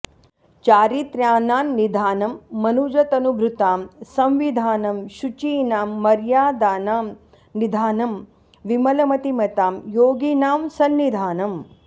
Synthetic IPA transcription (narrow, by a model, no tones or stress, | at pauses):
t͡ʃaːɾit̪ɾjaːnaːmnid̪ʱaːnɐmːɐnud͡ʒɐt̪ɐnubʱɾut̪aːmsɐ̃mʋid̪ʱaːnɐmʃut͡ʃiːnaːmːɐɾjaːd̪aːnaːm | nid̪ʱaːnɐm | ʋimɐlɐmɐt̪imɐt̪aːmjoːɡiːnaːmsɐnːid̪ʱaːnɐm